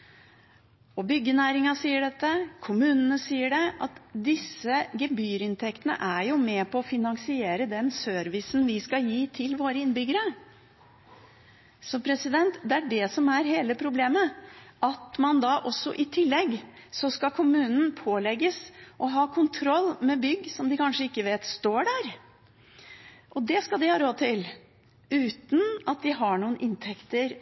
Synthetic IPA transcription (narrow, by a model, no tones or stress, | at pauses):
ɔbʏɡːənæːɾɪŋɑsiːəɖɛt̪ːəkʰʊmʉːnənəsiːəɖɛʔɑt̪d̪ɪsːəɡɛbyːɾɪnt̪ʰɛkt̪ənə̰ʔæɾjʊmɛpʰɔːfɪnɑŋsɪeːɾəd̪ɛnsøːɾʋɪsn̩ʋɪskɑjiːt̪ʰɪlʋoːɾəɪnbʏɡəɾə | sɔmpʰɾɛsɪd̪ɛnt̪d̪ɛæɖɛsɔmæɾɦeːləpʰɾʊbleːməʔɑt̪mɑnd̪ɑʔɔsːɔ̰ʔɪt̪ʰɪlːɛɡsɔskɑkʰʊmʉːnn̩pʰoːlɛɡːəsʔɔɦɑːkʰʊnt̪ʰɾɔlːmɛbʏɡːsɔmd̪ɪkʰɑnʂəɪkːəʋeːt̪st̪oːɖæɾ | ʔɔd̪ɛskɑld̪ɪhɑːɾoːd̪̚t̪ʰɪl | ʉːt̪n̩ʔɑt̪̚d̪ɪɦɑɳuːənʔɪnt̪ʰɛkt̪əɾ